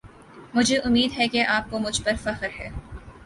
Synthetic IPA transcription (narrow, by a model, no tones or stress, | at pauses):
mʊd͡ʒʱeʔʊmːiːd̪ɦɛkeʔaːp̚komʊd͡ʒʱpɐɾfɐxɾɦɛː